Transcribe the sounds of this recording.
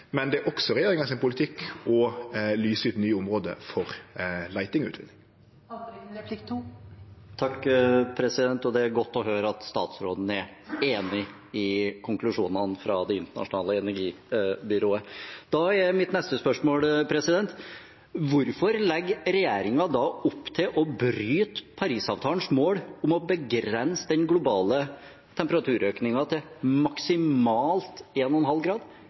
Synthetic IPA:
mɛnd̪ɛæɾʔɔksɔɾɛjeːɾɪŋɑsɪnpʰʊlɪt̪ʰɪkɔlyːsʉːɛt̪nyːʊmɾoːd̪ə̰fɔɾlæɪt̪ɪŋɔʉːt̪ʋɪ̰nɪŋ | p̪ʰɪt̪ʰː | t̪ʰɑkːpʰɾɛsɪd̪ɛnt̪ɔd̪ɛæɾɡɔt̪ːɔɦøːɾɑt̪st̪ɑ̰ːt̪sɾo̰ːd̪n̩æɾ | eːnɪ | ɪkʰʊŋklʉʂuːnənfɾɑd̪ɛɪnt̪əɳɑ̰ʂʊnɑːləɛnæɾɡiː | bʏɾoːəd̪̥ɑɛmɪt̪nɛst̪əspœʂmoːlpʰɾɛsɪd̪ɛnt̪ | ʋʊɾfɔɾlɛɡɾɛjeːɾɪŋɑd̪ɑʊpːt̪ʰɪlʔɔbɾyːt̪pʰɑɾiːsɑ̰ːʋt̪ʰɑːən̩smoːɽʊmɔbəɡɾɛnsəd̪ɛnɡlʊbɑːlə | t̪ʰɛmpəɾɑt̪ʰʉːɾøːknɪŋɑt̪ʰɪlmɑksɪmɑːlt̪eːnɔnɦɑlɡɾɑːd̪

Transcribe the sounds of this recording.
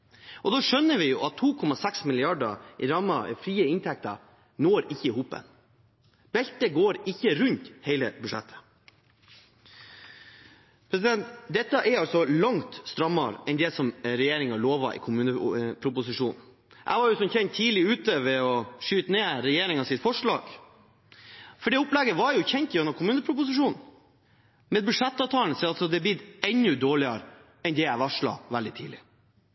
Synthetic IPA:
ʔɔd̪oːʂœnːəʋɪjʊʔɑt̪ʰːuːkʰɔmɑsɛksmɪlɪɑɖəɾɑmːɑfɾiːəɪnt̪ʰɛk̚t̪ɑ̰ɾ | noːɾɪçːəɪhuːpə̰n | bɛlt̪əɡoːɾɪçːəɾʉnt̪hɛɪləbʉʂɛt̪ʰːə̥ | pʰɾɛs̬ɪd̪ɛnt̪d̪ɛt̪ːəʔɛɾɑlsɔlɑŋt̪st̪ɾɑmːɑɾʔɛnd̪ɛsɔmɾɛjeːɾɪŋɑloːʋɑ̰ʔɪ̰kʰʊmʉːnəpʰɾʊpʊsɪʂuːnn̩ | ʔæ̰ɪʋɑɾjʊsɔmçɛnt̪ʰːiːlɪʉːt̪əʋɛɔʂyːt̪əneːɾɛjeːɾɪŋɑsɪt̪fɔʂɭɑ̰ːɡ̥ | fɔɖɛʊplɛɡəʋɑɾjʊçɛnt̪ɔnɑkʰʊmʉːnəpʰɾʊpʊsɪʂuːnn̩ | mɛːd̪bʉʂɛt̪ːɑːt̪ʰɑːlnsɛɑlsɔd̪ɛbɪd̪ɛnːʉd̪oːɭɪɑɾ | ɛnd̪ɛæɪʋɑʂɭɑ̰ʋæld̪ɪt̪ʰiːlɪ

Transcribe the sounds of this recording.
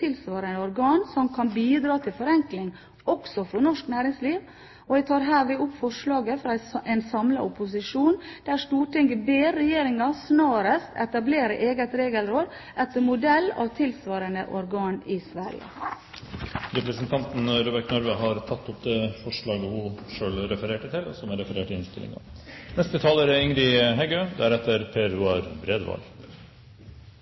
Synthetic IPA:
t̪ʰɪlsʋɑːɾənəɔɾɡɑːnsɔmkʰɑnbiːd̪ɾɑːt̪ʰɪlfɔɾɛŋklɪŋ | ɔksɔfɔɾnɔʂknæːɾɪŋsliːʋ | ɔʋɛt̪ʰɑːɾɦæːɾʋɪːʊpfɔʂlɑːɡəfɾɑɛnsɑmlə̰ʔʊpʊs̬ɪʂuːnd̪̥æɾsʈuːʈʰɪŋəbeːɾɛjeːɾɪŋɑsnɑːɾəst̪ɛ̰t̪ɑbleːɾəʔeːɡət̪ɾeːɡəlɾoːd̪ | ʔɛt̪əmʊd̪ɛlːɑ̰ːʋt̪ʰɪlsʋɑːɾənə̰ʔɔɾɡɑːnɪsʋæɾɪ̰ə̰ | ɾɛpɾəsənt̪ʰɑnt̪nɾuːbəɾʈnɔɾʋəɦɑɾt̪ʰɑt̪ʰːʊpd̪ɛfɔʂɭɑːɡəhʊʂøːlɾɛfəɾeːʈət̪ʰɪlɔ̰sɔmæɾɛfəɾeːʈɪɪnst̪ɪlɪ̰ŋɑ̰nɛst̪ət̪ʰɑːləɾəɪŋɾɪɦɛɡøːd̪æɾɛt̪ːəɾpʰeːɾʉːɑɾbɾeːd̪ʋɑ̰l

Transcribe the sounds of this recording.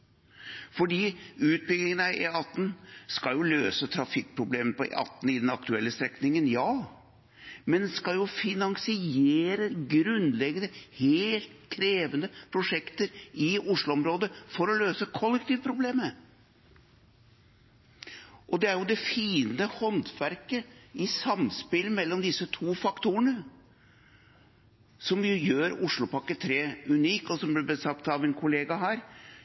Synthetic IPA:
fɔɖiːʉːt̪̚bʏɡlɪŋənɑeɑt̪ːn̩skɑljʊløːsət̪ʰɾɑfɪk̚ːpʰɾʊbleːmənəpʰɔḛʔɑ̰t̪ːn̩ɪd̪ɛnɑkt̪ʉɛlːəst̪ɾɛknɪŋənjɑː | mɛnd̪skɑljʊfɪnɑŋsɪeːɾəɡɾʉnlɛɡənəheːlt̪kʰɾeːʋənəpʰɾʊʂɛkt̪əɾʔɪʊʂlʊɔmɾoːd̪əfɔɾɔløːsəkʰɔlːɛk̚t̪iːʋpʰɾʊbleːmə | ʔɔd̪ɛæɾjʊd̪ɛfiːnəhɔnt̪ʋæɾkəɪsɑmspɪlmɛlːɔmd̪ɪsːət̪ʰuːfɑkt̪uːəɳə | sɔmjjøːɾʊʂɭʊpɑkət̪ʰɾeːʉniːkɔsɔmblɪbəsɑkt̪ːɑʋɪnkʰʊleːɡɑɦæːɾ

